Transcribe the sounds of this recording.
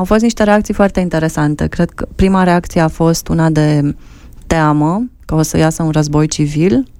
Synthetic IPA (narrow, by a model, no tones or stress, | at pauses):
awfo̞st̪niʃt̪e̞ɾe̞aktsijfoart̪e̞int̪e̞ɾe̞sant̪e̞̰kɾe̞d̪̥kəpɾimaɾe̞akt̪sijeafo̞st̪unad̪e̞ | t̪eaməkəo̞sə̰jasəunrəzbo̞jt͡ʃivil